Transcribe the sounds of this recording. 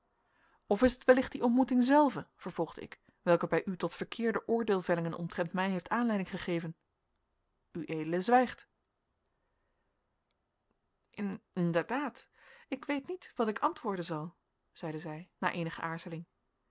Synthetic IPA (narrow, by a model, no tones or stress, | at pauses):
ɔfɪsətʋɛlɪχtdiʔɔntmutɪŋzɛlˠvəv̥əɹv̥ɔlˠχdəɪ̰k | ʋɛlˠkəbɛjʔytɔtfəɹkʰɪːɹdəʔʊːɹdeːlˠvɛlɪŋənɔ̰mtrɛntmɛjɦejftaːnlɛjdɪŋχəχejvən | yʔejdələzʋɛjχt | ʔɪnɪndəɹdaːtɪkʋejtnitʋɑtɪkɑntʋʊːɹdənzɑlˠ | z̥ɛjdəzɛjna̰ːɹʔejnəχə̰ʔaːɹzəlɪŋ